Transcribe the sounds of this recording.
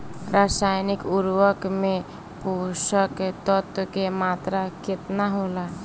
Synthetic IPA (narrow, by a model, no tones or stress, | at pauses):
ɾaːsaːjnɪkʊɾwəkmẽ | poːʃəkt̪ɔt̪kemaːt̪ɾakɪt̪naɦoːla